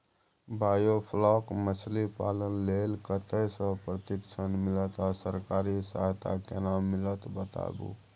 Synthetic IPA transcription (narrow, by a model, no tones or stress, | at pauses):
bajopʰlɔkmət͡ʃʰlipalənlelkət̪əsə̃pɾət̪iksʰənmilət̪asəɾkaɾisəɦt̪ʰa̰kenamːilət̪bət̪a̰bṵ